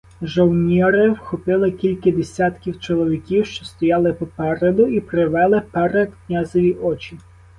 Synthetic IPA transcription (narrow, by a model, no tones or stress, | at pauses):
ʒɔwnʲiɾɪwxɔpɪlˠɪkʲilʲkɪd̪esʲat̪kʲiwt͡ʃɔlˠɔʋʲikʲiwʃt͡ʃɔst̪ɔjɑlˠɪpɔpɛɾed̪ʊipɾɪʋɛlˠɪpɛɾɛd̪knʲazɔʋʲiʔɔt͡ʃʲi